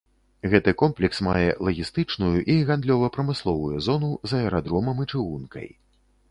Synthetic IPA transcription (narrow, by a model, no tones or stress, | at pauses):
ɣɛt̪ɨkɔmplʲɛksma̰jɛ̰lˠɐɣʲist̪ɨt͡ʂnujuʔiɣand̪lʲɔvɐpɾɐmɨslˠɔvujuzɔnuzɐɛɾad̪ɾɔmɐmɨt͡ʂɨɣunkɐ̰j